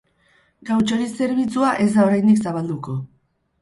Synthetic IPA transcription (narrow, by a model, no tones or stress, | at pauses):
ɡawt͡ʃo̞ɾise̞ɾβ̞it͡suaʔe̞zd̪aoɾajnd̪iksaβ̞ald̪uko̞